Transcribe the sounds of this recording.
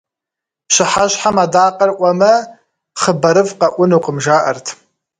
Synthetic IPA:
ɕɪħaɕħamaːdaːqɐrʔʷɔmɐ | χəbɐɾɨvqɐʔʷʊnuːqəmʒaːʔɐ̰rtʰ

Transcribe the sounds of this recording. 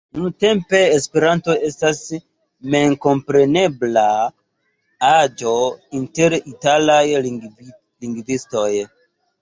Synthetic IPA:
nunte̞mpe̞ːspe̞ɾanto̞e̞stas | me̞ŋko̞mpɾe̞ne̞bla | ad͡ʒo̞inte̞ɾitalaj | liŋɡvisto̞j

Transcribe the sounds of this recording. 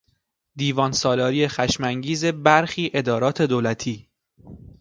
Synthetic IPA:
d̪iːvɒːnsɒːlɒːɾiːe̞xæʃmæŋɟiːze̞bæɾxiːʔe̞d̪ɒːɾɒːt̪ʰe̞d̪oːlæt̪ʰiː

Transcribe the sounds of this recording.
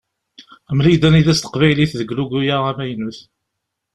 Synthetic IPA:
mlid̪æniðæst̪ə̥qvæjliθðəɡluɡujæʁæmæjnuθ

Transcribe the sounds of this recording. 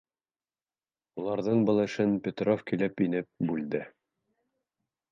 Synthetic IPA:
ulˠɑɾðɤɴbɤlˠɘ̆ʃɘnpʲet̪rofkilɘpinɘp̚bʉld̪ɘ

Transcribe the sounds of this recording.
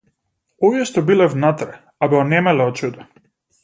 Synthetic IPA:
ɔviɛst̪ɔbilɛvnat̪ɾɛ | abɛɔnɛmɛlɛɔt͡ʃud̪ɛ

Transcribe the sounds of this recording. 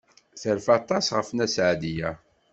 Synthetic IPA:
θəɾfɑt̪ˤɑsʁəfnæsʕd̪ijæ

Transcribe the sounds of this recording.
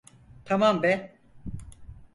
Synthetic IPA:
t̪ʰamambɛ

